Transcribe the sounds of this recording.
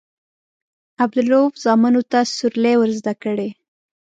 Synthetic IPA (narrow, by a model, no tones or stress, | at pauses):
ab̚d̪ʊlofzɑmanot̪asʊɾlewəɾzd̪akəɽe